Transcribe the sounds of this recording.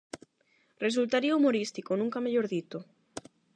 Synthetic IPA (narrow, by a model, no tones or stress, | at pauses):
res̬ult̪aɾiaumoɾist̪ikonũŋkameʎoɾðit̪o